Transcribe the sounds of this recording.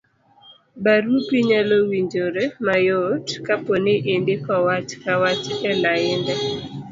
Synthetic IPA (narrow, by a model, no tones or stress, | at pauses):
baɾupiɲalowiɲd͡ʒoɾemajotkaponeʔendekɔwat͡ʃkawat͡ʃɛlaɪndɛ